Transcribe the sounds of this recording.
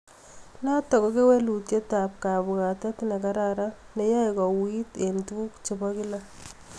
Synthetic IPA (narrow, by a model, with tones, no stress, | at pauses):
na˦tɔ˨kɔ˨˦ke˦wɛ˦lu˨tje˦ta˨p̚ka˨bʊ˨ka˨tɛ˦ti˦nɛ˨ka˦ɾaɾa˦ | ne˨˦ja˦jkɔ˨wi˦te˨ntu˦kt͡ʃe˨bɔ˦kɪ˦la˦